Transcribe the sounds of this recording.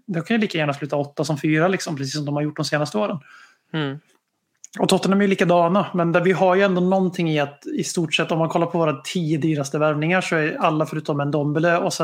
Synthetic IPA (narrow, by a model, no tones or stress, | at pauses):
d̪ɔmkʰanjəliːkajæːɳaslʉ̟ːt̪aɔt̪ːasɔmfyːɾalɪksɔmpʰɾɛs̬iːs̬ɔmd̪ɔmhaɾjʊʈːd̪ɔmseːnast̪əoːɾən | ɔt̪ʰɔt̪ːənaæɾjʏliːkad̪ɑːnamɛnd̪ævɪɦaɾjɵɛnd̪oːnɔnt̪ʰɪŋːɪat̪ɪst̪uːʈʂɛt̪ːɔmːankʰɔlːaɾpʰɔvoːɾat̪ʰiːəd̪yːɾast̪əvæɾvnɪŋaʂɔæɾalːafœɾʉːt̪ɔmɛnd̪ɔmbløːɔsɛ